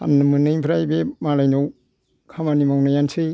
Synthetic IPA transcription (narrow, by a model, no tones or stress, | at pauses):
a̰nːɯmɯnɯjpʰɾajbemalajnow | kʰamanimawnajansɯj